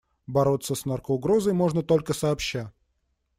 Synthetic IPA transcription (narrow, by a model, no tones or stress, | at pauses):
bɐɾo̞t̪sːəsnarkəʊɡɾo̞zəjmo̞ʐnət̪o̞lʲkəsɐːpɕːæ